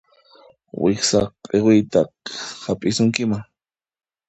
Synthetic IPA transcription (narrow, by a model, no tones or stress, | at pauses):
wɪksaqʼewɪjt̪aqhapʼɪsʊŋkɪmaŋ